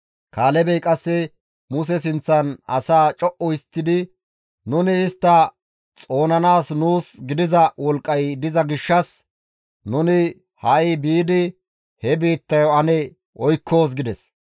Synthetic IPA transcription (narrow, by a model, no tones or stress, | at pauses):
kaːlɛbɛjkʼɐsːɛ | mʊs̬ɛs̬ɪnt͡sːɐnɐsaːt͡ʃʼɔʔɔɪst̪ːɪd̪ɪ | nʊnɪːst̪ːɐ | t͡sʼo̞ːnɐnaːsnuːsɡɪd̪ɪzɐwɔlkʼːɐjd̪ɪzɐɡɪʃːɐs | nʊnɪ | hɐʔɪbiːd̪ɪ | hɛbiːt̪ːɐjɔɐnɛ | ɔjkʰːo̞ːs̬ɡɪd̪ɛs